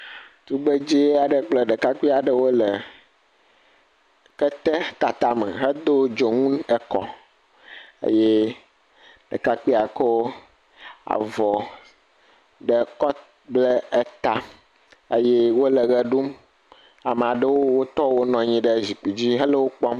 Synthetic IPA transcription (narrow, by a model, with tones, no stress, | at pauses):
t̪u˦be˦d͡ʑi˦a˨ɖə˨k͡plɛ˦ɖɛ˨ka˦k͡pi˦a˨ɖə˦wo˦lə˨ | kɛ˦t̪ɛ˦t̪a˨t̪a˨mɛ̰˨ɦə˦d̪o˦d͡ʒo˨ŋũ˦nɛ˨kɔ̰˦ | ḛ˦jɛ˦ | ɖɛ˨ka˦k͡pi˦a˨ke˦wo˦ | a̰˨vɔ˨ | ɖə˨kɔ˦ | blɛ˦ɛ˦t̪a˦ | e˦jɛ˦wo˦lɛ˨ɣɛ˦ɖu˦m | a˨m˨a˨ɖə˦wo˦wo˦t̪ɔ˦wo˦nɔ̃˨ɲĩ˦ɖə˦zi˨k͡pi˨d͡ʑi˦ɦə˦le˦wo˦k͡pɔ˦m